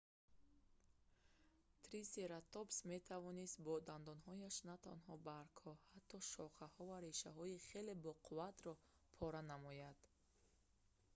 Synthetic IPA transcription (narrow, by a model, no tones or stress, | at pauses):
t̪ʰɾiseɾat̪opsme̞t̪ʰavɔnist̪̚bɔd̪and̪ɔnɦɔjaʃnat̪ʰanɦɔbaɾkʰhɔhat̪ʰːɔʃɔχahɔvaɾeʃaɦɔiχe̞le̞bɔqʰuvat̪ɾɔ | pʰɔɾanamɔjad̪̥